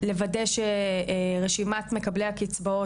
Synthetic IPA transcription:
le̞vadeʃeʁeʃimatme̞kablehakit͡sbao

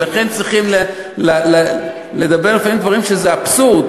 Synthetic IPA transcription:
laχe̞nt͡sʁiχimle | lal | led̪abe̞ʁlefaimd̪vaʁimʃezeapsuʁd

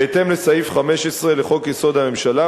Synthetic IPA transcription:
et̪emlesaifχame̞ʃesʁe̞leχo̞kjeso̞d̪ame̞mʃala

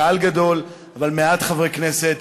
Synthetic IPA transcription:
alɡad̪o̞l | avalmeat̪χavʁeknese̞t̪

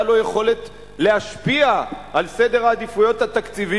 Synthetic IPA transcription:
alo̞je̞χo̞le̞t | le̞aʃpiaʔalse̞d̪e̞ʁaːd̪ifujo̞t̪hat̪akt͡sivi

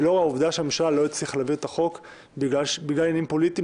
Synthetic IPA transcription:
lo̞ʁauvd̪aʃeamʃalːo̞it͡sliχlaviʁt̪aχo̞k | biɡlaʃbiɡlalenimpo̞lit̪i

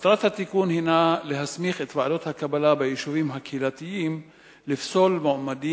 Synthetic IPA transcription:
at̪ɾat̪hat̪ikunhinale̞ɦasmiχet̪vaado̞t̪hakabalabejiʃuvimɦakhilat̪ijim | lifsolmoamadi

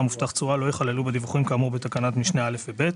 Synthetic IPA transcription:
amuft̪aχt͡sualo̞jeχalelubed̪ivuχimkaːmuʁbet̪akanatmiʃneale̞fvebe̞t

